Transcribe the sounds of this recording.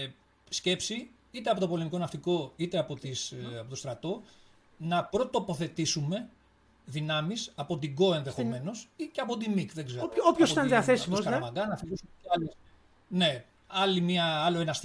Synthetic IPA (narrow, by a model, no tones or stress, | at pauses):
sce̞psi | it̪e̞ɐpo̞t̪o̞polemiko̞nɐft̪iko̞it̪e̞ɐpo̞t̪isɐpot̪ost̪ɾɐt̪o̞ | nɐpɾot̪o̞po̞θe̞t̪isume̞ | ðinɐmisɐpo̞t̪iɡo̞e̞nðexomme̞no̞siceɐpo̞t̪̬imikðeɡzeɾopçosit̪ɐnðiɐθe̞simoɐɾmɐɡɐnɐfilisuɐli | ne̞ | ɐlimiɐɐloenɐs